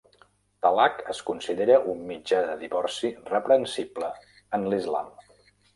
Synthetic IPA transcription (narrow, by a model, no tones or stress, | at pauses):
t̪alakəskunsiðeɾəʔumːid͡ʒaðəðiβɔrsirəpɾənsiblə | ənlizla̰m